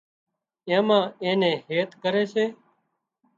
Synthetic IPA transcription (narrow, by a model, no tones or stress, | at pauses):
ẽːmãːẽːnẽːheːt̪kəɾeːseː